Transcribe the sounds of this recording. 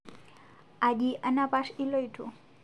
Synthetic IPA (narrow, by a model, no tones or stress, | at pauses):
ad͡ʒiʔənapaʃilojʈʰu